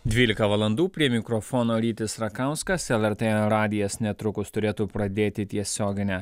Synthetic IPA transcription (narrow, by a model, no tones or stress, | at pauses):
d̪ʲʋʲiːlʲɪkɐʋɐlˠɐnd̪uːpʲɾʲiɛmʲɪkɾɔfoːnoːɾʲiːt̪ʲɪsɾɐkɐʊskɐsɛlˠɛɾt̪eːɾɑːd̪ʲɪjɛsnʲɛt̪ɾʊkʊst̪ʊɾʲeːt̪uːpɾɐd̪ʲeːt̪ʲɪt̪ʲiɛsʲoːɡʲɪnʲɛ